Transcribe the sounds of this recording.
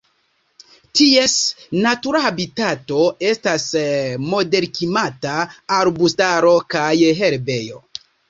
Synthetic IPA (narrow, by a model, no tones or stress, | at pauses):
tie̞snatuɾahabitato̞e̞stasmo̞de̞ɾkimataːɾbustaɾo̞kajɦeɾbe̞jo̞̰